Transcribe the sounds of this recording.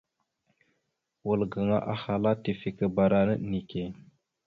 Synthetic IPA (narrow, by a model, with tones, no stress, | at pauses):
wə˨lɡə˨ŋa̰˦ʔa˦ha˨la˦ti˨fi˨kə˨ba˨ɾa˨nə˦ni˨ke˨